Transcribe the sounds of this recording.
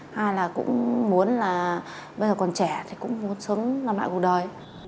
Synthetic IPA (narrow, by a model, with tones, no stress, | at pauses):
haː˧jlaː˨˩kʊ̰˧˥ŋ͡mmu˨˦ənlaː˨˩ɓə˧jzəː˨˩kɔ˨˩nt͡ɕɛ˧˩t̪ʰi˨˩kʊ̰˧˥ŋ͡mmu˨˦ənsə˨˦ŋ͡mlaː˧˩mɓa̰ː˧˨jku˨˩ɗəː˨˩j